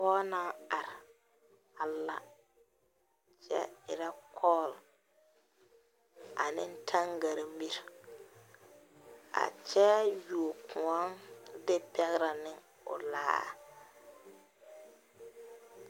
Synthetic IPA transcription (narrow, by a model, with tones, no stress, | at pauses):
pɔː˦naː˦a˨ɾɪ˨ | a˨lːa̰˨ | t͡ʃɛ̰˦ɪ̰˨ɾa˦kʰɔː˦˨l | a˨nɪ˦n̩˦tʰa˦ŋɡa˨ɾmi˦ɾ | a̰˨t͡ʃɛ˦ju˨o˨kʰʊ˨a˦ŋdɪ˦pɛ˦ɣɾa˨nɪ˦ŋ | ʊ̰˨la̰ː˦